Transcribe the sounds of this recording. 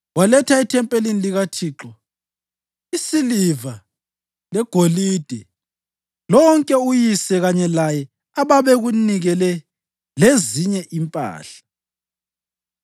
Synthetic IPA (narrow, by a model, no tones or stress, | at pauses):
walɛtʰaitʰɛmpʼeliniliɣatʰiːǁɔ | isiliva | lɛɡ̥ʱolid̥ʱɛ | lɔŋkʼɛujisɛɣaɲɛlajɛ | aβaβɛɣuniɣɛlɛ | leziɲɛʔimpʼa̰ːɬḁ